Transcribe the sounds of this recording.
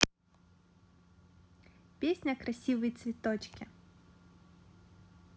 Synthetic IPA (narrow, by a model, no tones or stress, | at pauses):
pʲesʲnʲɐkɾɐsʲiʋɐjt̪svʲɪt̪ɔt͡ɕkʲɪ